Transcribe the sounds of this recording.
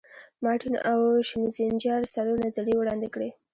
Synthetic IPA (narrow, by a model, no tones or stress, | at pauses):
mɑʈina̰wʃɪmzind͡ʒɑɾsaloɾnazaliwɽɑnd̪ɪkɽe